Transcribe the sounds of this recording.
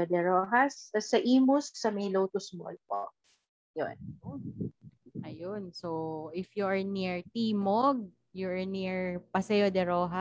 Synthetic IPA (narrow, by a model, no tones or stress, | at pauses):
d̪ɛɾoːɦɐsɐsɐʔiːmʊsk̚sɐmɐjlowt̪ʊsmɔ̰lpo | jo̰n | ʔɐjonsowʔɪfjuʔɐɹniɹt̪iːmoɡ̚ | juɐɹniɹpɐsɛjod̪ɛɾoːɦɐ